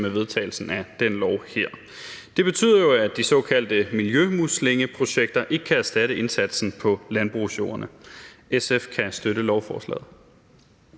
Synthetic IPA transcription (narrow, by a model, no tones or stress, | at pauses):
meʋe̝ð̞ˠt͡sʰɛ̰ɪl̩sn̩æd̥en̰lɒʊheɐ̰ | d̥e̝b̥e̝t͡sʰy̰ːðˠɐjoæd̥isɒ̽ːkʰæl̰d̥əmiljømusle̝ŋəpʰʁo̝ɕeɡ̥̚d̥ɐʔe̝ɡ̥əkʰææɐsd̥æɾəe̝nsæd̥sn̩pʰɒ̽lænb̥ʁṵsjo̝̰ːɐnəesefkʰæsd̥øɾəlɒʊfɒːslɛ̰ːð̩ˠ